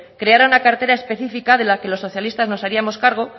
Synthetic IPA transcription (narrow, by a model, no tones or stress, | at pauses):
kɾe̞aɾaunakaɾt̪e̞ɾaespe̞θifikað̞e̞lake̞lo̞sːo̞θjalist̪azno̞saɾiamo̞skaɾɣ̞o̞